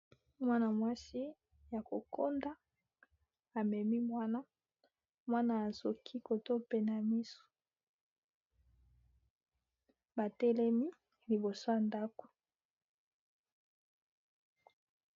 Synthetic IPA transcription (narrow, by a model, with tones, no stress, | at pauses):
mwa˦na˨mwa˦si˦ | ja˨ko˨kʰo˦nda˦ | a˨mɛ˨mi˦mwa˦na˦ | mwa˦na˦a˨zo˨kʰi˦ko˨to˦pe˨na˨mi˦su̥˨ | ba˨tɛ˦lɛ˦mi˦ | li˨bo˨so˦ja˨nda˦ko̥˨